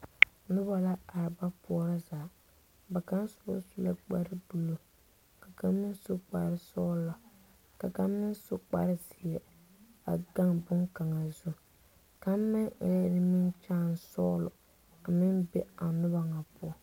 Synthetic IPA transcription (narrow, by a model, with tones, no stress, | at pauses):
nʊ˦ba˦la˦a˨ɾɪ˨ba˦pʊ˦ɔ˦ɾa˦zaː˨˦ | ba˨ka˦n˦sʊ˦ɔ̰˦su˦la̰˦k͡pa̰˦ɾɪ˦bu˦˨lo˨ | ka˨ka˦mːɪ˦nsʊ˦k͡pa̰˨ɾɪ˦sɔː˦lla˨ | ka˨kaː˦ɪ˦nsʊ˦k͡pa̰˨ɾɪ˦zɪ˨jɛ˨ | a̰˨ɡa˦ŋbʊ˦ŋka˨ŋa˨zʊ˦ | ka˦m˦mɪ˦ŋɪ̰˨la˦dɪ˦mɪ˦nt͡ʃaː˦˨n˨sɔː˦lʊ̰˨ | a˨mɪ˦nbe˦a˨nʊ˦ba˨ŋa˨pʊ˦ɔ˨